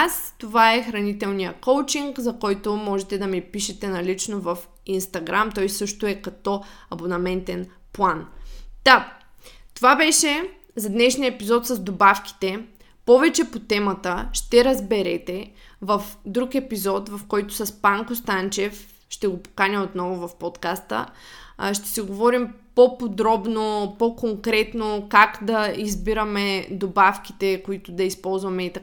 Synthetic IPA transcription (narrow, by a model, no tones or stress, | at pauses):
ast̪ovaɛxɾɐnit̪ɛlˠnijəkowt͡ʃiŋkzɐkɔjt̪omɔʒɛt̪ɛd̪ɐmipiʃɛt̪ɛnɐlit͡ʃnovɐf | inst̪ɐɡɾamt̪ɔjsɤʃt̪oɛkɐt̪ɔɐbonɐmɛnt̪ɛn | plˠand̪̥a | t̪ovabɛʃɛ | zɐd̪nɛʃniəɛpizɔt̪sɐzd̪obafki̥t̪ɛ | pɔvɛt͡ʃɛpot̪ɛmɐt̪əʃt̪ɛɾɐzbɛɾɛt̪ɛvɐfd̪ɾukɛpizɔt̪vɐfkɔjt̪ʊ̥sɐspaŋkost̪ant͡ʃɛf | ʃt̪ɛɡopo̥kanʲɐot̪nɔvʊvɐfpɔt̪kast̪ə̰ʃt̪ɛ̥siɡovɔɾimpopod̪ɾɔbnopokoŋkɾɛt̪nokakd̪ɐizbiɾəmɛd̪obafk̟i̥t̪ɛkoit̪ʊd̪ɐispɔlˠzvɐmɛit̪ɐk